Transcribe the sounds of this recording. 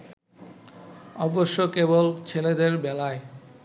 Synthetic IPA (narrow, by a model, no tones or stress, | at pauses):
ɔboʃːokebolt͡ɕʰeled̪eɾbɛlae